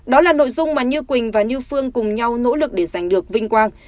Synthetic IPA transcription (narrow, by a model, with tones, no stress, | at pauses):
ɗɔ˨˦laː˨˩no̰˧˨jzʊ˧ŋ͡mmaː˨˩ɲɨ˧kwï˨˩ŋ̟vaː˨˩ɲɨ˧fɨ˧əŋkʊ˨˩ŋ͡mɲa˧wno̰˧˥lɨ˨˩k̚ɗe˧˩za˨˩jŋ̟ɗɨ˨˩ək̚vï˧ŋ̟kwaː˧n